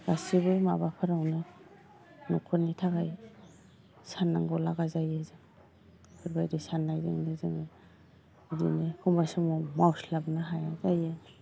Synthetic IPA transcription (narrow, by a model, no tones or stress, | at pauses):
ɡ̥asibɯjma̰bapʰɯɾawnɯ | nukʰɔnːitʰaɡaj | sanːaŋɡɔlaɡazajezɯŋ | kʰɯɾbajdisanːajdɯ̰ŋnɯzɯŋɯ | dḭnɯkʰumbasɔmɔmawslabnaɦajazaje